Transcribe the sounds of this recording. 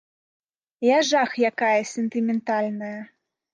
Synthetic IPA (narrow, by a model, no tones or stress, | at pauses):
jaʐaxjakajɐsʲɛnt̪ɨmʲɛnt̪alʲnɐjɐ